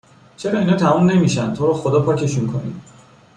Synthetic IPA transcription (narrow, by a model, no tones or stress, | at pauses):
t͡ʃʰe̞ɾɒːiːnhɒːt̪ʰæmuːnːe̞miʃænt̪ʰoːɾɒːxod̪ɒːpʰɒːcʰe̞ʃunkʰonḭd̪̥